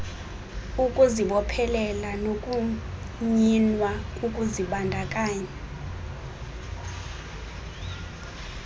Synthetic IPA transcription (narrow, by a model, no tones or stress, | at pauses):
ukʼuziɓɔpʰɛlɛlanokʼu | ɲinwaukʼuziɓandʱakʼaːɲa